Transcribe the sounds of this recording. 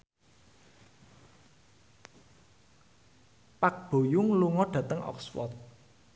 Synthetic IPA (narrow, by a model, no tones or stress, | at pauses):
pak̚b̥o̤jʊŋluŋɔɖ̥ä̤t̪əŋʔɔ̰kswɔ̰t̪̚